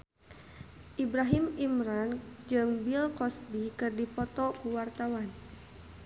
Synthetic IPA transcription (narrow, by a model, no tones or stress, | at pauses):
ʔibɾaɦimimɾand͡ʒɨŋbilkɔsbikɨrdipɔt̪ɔkuwart̪awan